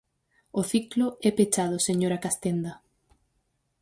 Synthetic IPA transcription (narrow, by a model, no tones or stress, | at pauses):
ʊθiklʊɛpet͡ʃaðʊseɲoɾakast̪end̪ɐ